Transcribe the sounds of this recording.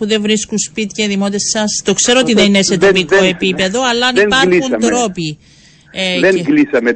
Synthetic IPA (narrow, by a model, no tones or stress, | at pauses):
uðe̞vɾiskunspit̪i̥ceðimot̪essɐst̪o̞kse̞ɾoot̪iðeninese̞t̪ɾopiko̞e̞pipe̞ðo̞ɐlːɐnipɐɾxund̪ɾo̞pi | eɡlisɐme